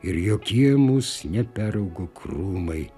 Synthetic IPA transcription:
ɪɾjoːkʲiɛmuːsnʲɛpʲæːɾɐʊɡokruːmɐɪ

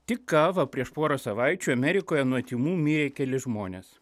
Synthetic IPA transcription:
t̪ʲɪkːɑːʋɐpʲɾʲiɛʃpoːɾosɐʋɑˑɪt͡ʃʲuːɐmʲɛɾʲɪkoːjɛnuɔt̪ʲiːmuːmʲiːɾʲeːkʲɛlʲɪʒmoːnʲḛːs

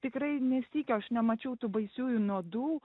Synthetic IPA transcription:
t̪ʲɪkrɐɪnʲɛsʲiːkʲɛɐʃnʲɛmɐt͡ʃʲɛʊt̪uːbɐɪsʲuːjʊnuɔd̪uː

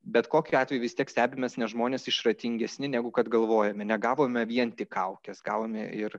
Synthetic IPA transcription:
bʲɛt̪koːkʲʊɑːt̪ʲʋʲɛjuʊʋʲɪst̪ʲiɛksʲt̪ʲæːbʲɪmʲɛsnʲɛʒmoːnʲeːsɪʃrɐt̪ʲɪŋʲɡʲɛsʲnʲɪnʲæɡʊkɐt̪ɡɐlˠʋoːjɛmʲɛnʲɛɡɑːʋoːmʲɛʋʲiɛnt̪ʲɪkʰɐʊkʲɛsɡɑ̰ːʋoːmʲɛɪɾ

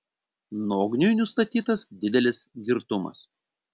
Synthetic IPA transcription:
noːɡnʲʊjnʊst̪ɐt̪ʲiːt̪ɐsd̪ʲɪd̪ʲɛlʲɪsɡʲɪɾt̪ʊmɐ̰s

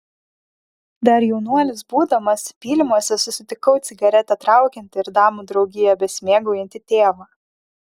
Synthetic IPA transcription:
d̪ɐɾjɛʊnuɔlʲɪsbuːd̪ɐmɐspʲiːlʲɪmuɔsʲɛsʊsʲɪt̪ʲɪkɒʊt̪sʲɪɡɐɾʲɛt̪ʲɛt̪ɾɑˑʊkʲɛnʲt̪ʲɪɪɾd̪ɑːmuːd̪ɾɒʊɡʲɪjɛbʲɛsʲmʲeːɡɐʊjɐnʲt̪ʲɪt̪ʲeːʋɐ

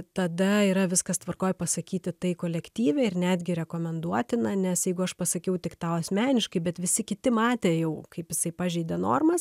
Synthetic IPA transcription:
t̪ɐd̪ɐiːɾɐʋʲɪskɐst̪ʋɐrkoːjpɐsɐkʲiːt̪ʲɪt̪ɐɪkoːlʲɛkt̪ʲiːʋʲɛɪrnʲæd̪ʲɡʲɪɾʲɛkoːmʲɛnd̪uɔt̪ʲɪnɐnʲɛsjɛɪɡʊɐʃpɐsɐkʲɛʊt̪ʲɪkt̪ɑːʊɐsʲmʲæːnʲɪʃkɐɪbʲɛt̪ʋʲɪsʲɪkʲɪt̪ʲɪmɑːt̪ʲeːjɛʊkɐɪpjɪsɐɪpɑːʒʲɛɪd̪ʲenoːrmɐs

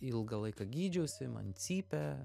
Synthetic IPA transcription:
ɪlˠɡɐlˠɐɪkɐɡʲiːd͡ʒʲɛʊsʲɪmɐ̰nt͡sʲiːpʲɛ

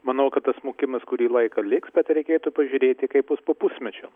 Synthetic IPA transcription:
mɐnɐʊkɐt̪t̪ɐsmoːkʲɪmɐskʊɾʲiːlˠɐɪkɐlʲɪksbʲɛt̪ɾʲɛɪkʲeːt̪ʊpɐʒʲʊɾʲeːt̪ʲɪkɐɪpjʊspoːpʊsʲmʲɛt͡ʃʲoː

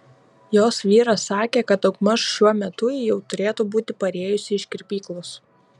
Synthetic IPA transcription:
joːsʋʲiːɾɐsɑːkʲeːkɐt̪ɐʊkmɐʃʃʲuɔmʲɛt̪ʊjɛʊt̪ʊɾʲeːt̪uːbuːt̪ʲɪpɐɾʲeːjʊsʲɪɪʃʲkʲɪɾʲpʲiːklˠʊs

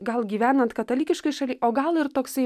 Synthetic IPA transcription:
ɡɐlˠɡʲiːʋʲæːnɐnt̪kɐt̪ɐlʲiːkʲɪʃkɐɪʃɐlʲiʔoːɡɐlˠɪɾt̪oːksɐɪ

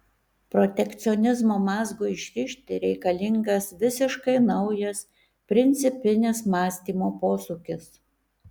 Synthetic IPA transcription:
pɾɔt̪ʲɛkt̪sʲɪɔnʲɪzmoːmɑːzɡoːɪʃʲɾʲɪʃʲt̪ʲɪɾʲɛɪkɐlʲɪŋɡɐsʋʲɪsʲɪʃkɐɪnɐʊjɛs | pʲɾʲɪnʲt̪sʲɪpʲɪnʲɪsmɑːsʲt̪ʲiːmoːpoːsuːkʲɪs

